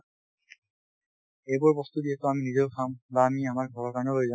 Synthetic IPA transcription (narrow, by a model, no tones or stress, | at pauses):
ejbɔɹbɔst̪udiɛtɔaminizɔʊkʰambaːmiamaɹɡʱɔɹɔɹkaɹɔnɔloiza